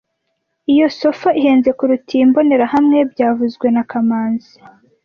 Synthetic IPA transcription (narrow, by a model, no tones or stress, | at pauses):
ijo̞so̞faiɦe̞ːnze̞kuɾutimbo̞ne̞ɾahamŋe̞bɟaːvuzɡwe̞nakamaːnzi